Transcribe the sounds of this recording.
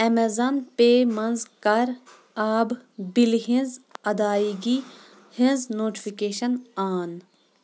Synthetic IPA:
ɛmezɐnpeːmɐnzkɐɾ | aːbbilɦĩnzɐd̪aːiɡi | hĩnznoːʈi̥fikeːʃɐnaːn

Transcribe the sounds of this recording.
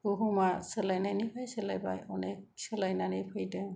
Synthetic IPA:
uɦumasɯlajnajnipʰajsəlajba̰jɔnek̚sɯlajnanipʰɯjdɯŋ

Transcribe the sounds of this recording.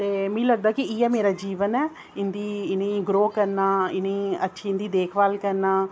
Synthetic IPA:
t̪eːmĩːləɡ̚d̪aːkɪiːɛːmeːɾaːd͡ʒiːʋənɛː | ɪnd̪iːɪnẽːɡɾoːkəɾnaːɪnẽːətːʃʰiːɪnd̪iːd̪eːkʰʋaːlkəɾnaː

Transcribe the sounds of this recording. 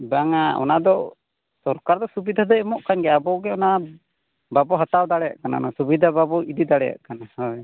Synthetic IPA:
baŋaɔ̰nad̪ɔ | sɔɾkaɾd̪ɔsubid̪ʱad̪ɔɛmɔʔkʰanɡɛabɔɡɛɔna | babɔɦat̪awd̪aɽɛja̰ʔkana̰ɔnasubid̪ʱababɔid̪id̪aɽɛja̰ʔkanahɔj

